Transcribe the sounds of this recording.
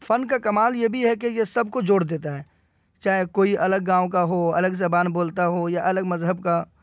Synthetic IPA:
fɐnkakɐmaːljebʱiɦɛk̬ejesɐbkod͡ʒoːɽd̪eːt̪aɦɛː | t͡ʃaːɦekoːiʔɐləɡːãːʋõk̬aɦoɐ̰ləɡzɐbaːnboːlt̪aɦojaʔɐləɡmɐzɦəbka

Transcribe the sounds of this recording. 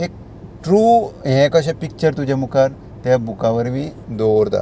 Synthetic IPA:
ek̚ | ʈɾuːɦɛ̃kəɕ̬apik̚t͡ɕəɾt̪ud͡ʑamukaɾ | t̪jabukaʋəɾmid̪oɾt̪a̰

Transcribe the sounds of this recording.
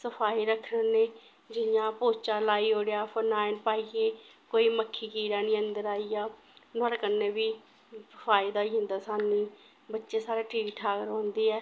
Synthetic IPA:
səpʰaːiːɾəkʰnəneː | d͡ʒɪjãːpoːt͡ʃaːlaːiːoːɽejaːpʰənaːɪnpaːieː | koːiːməkʰːiːkiːɾaːnĩːənd̪əɾaːiːaː | nəːɾkənːeːbiː | səpʰaːiːd̪aːiːɦʊ̃nd̪aːsaːniː | bətːʃeːsaːɾeːʈiːiʈʰaːkəɾɦõːnd̪iːɛː

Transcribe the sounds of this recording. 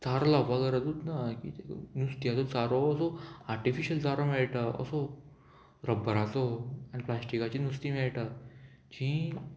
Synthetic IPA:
t͡saɾlapakəɾət̪ut̪nakḭt̪enust̪iat͡sot͡saɾoːsoaɾʈifiɕəlt͡saɾomɛɭʈaə̰so | ɾəbːəɾat͡soaniplasʈikat͡ɕinust̪imɛɭʈa | t͡ɕĩ

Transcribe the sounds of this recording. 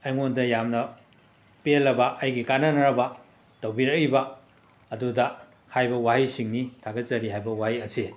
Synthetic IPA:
ɐjŋondɐjamnɐ | pelːɐbɐʔɐjɡikanɐnɐɾɐbɐ | tɐwbiɾɐk̚ibɐ | ɐdudɐ | hajbɐwahisiŋnitʰaɡɐt̚t͡ʃɐɾiɦajbɐwahiɐsi

